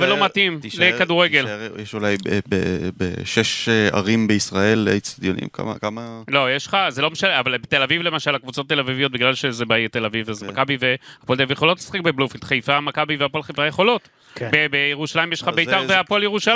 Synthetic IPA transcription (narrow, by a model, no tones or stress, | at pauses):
velo̞matimlekad̪uʁeɡeljeʃulajbebḛʃeʃea̰ʁimbeisʁae̞let͡st̪ad̪jonḭmka̰ma̰kamalo̞jeʃχazelo̞meʃaleavalbet̪elavivle̞maʃalakvut͡sot̪ːe̞lavivio̞t̚biɡlalʃezebait̪e̞lavivazmakabiveapold̪evjeo̞lo̞t̪lesḁχek̚beblufiltχajfamakabiveapolχajfajeχo̞lo̞t | bebejeʁuʃalaimjeʃχabeit̪aʁveapoljeʁuʃa